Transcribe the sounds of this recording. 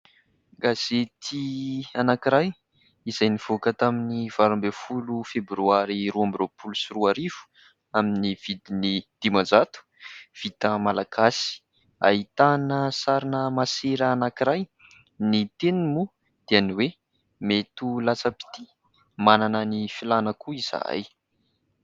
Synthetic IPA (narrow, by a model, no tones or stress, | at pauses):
ɡaz̥et̪ʰianakiɾaj | iz̥ajniv̥okət̪aminiv̥aɾumbefulufebɾuaɾiruambiropʰulusiruaɾivu̥ | aminiv̥id̪inid̪̥imand͡zat̪u̥ | v̥it̪əmalakasi̥ | a̰ɦit̪anəsaɾinəmaseɾəːnakiɾaj | nit̪enimu | d̪̥eaniwe | met̪ulat͡səpi̥t̪i | mananənifilanəkuiz̥a̰j